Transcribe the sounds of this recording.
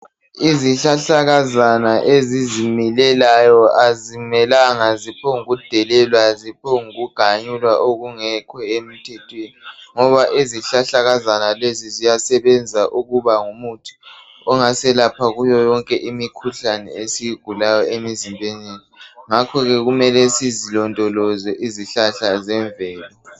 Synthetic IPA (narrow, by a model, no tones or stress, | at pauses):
iziɬaɬaɣazanaʔezizimilɛlajɔazimɛlaŋazipʰɔŋuɣud̥ʱɛlɛlwazipʰɔŋuɣuɡ̥ʱaɲulwaʔoɣuŋɛkʰɔem̩tʰɛtʰweniŋɔβaʔiziɬaɬaɣazanalezizijasɛβɛnd͡zʱaʔuɣuβaŋumutʰi̥ | ɔŋasɛlapʰaɣujɔjɔŋkʼɛʔimikʰuɬanɛ̰esijiɡ̥ʱulajɔemizimbʱeneniŋakʰɔɣɛɣumɛlɛsizilɔntʼɔlɔzɛʔiziɬaɬazɛɱvɛːlɛ